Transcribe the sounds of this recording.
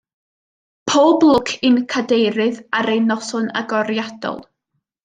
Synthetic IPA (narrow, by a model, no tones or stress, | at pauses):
pʰoːblˠʊkʰɪnkʰadejɾɨðaɾejnɔsʊna̰ɡɔɾjad̥ɔ̰lˠ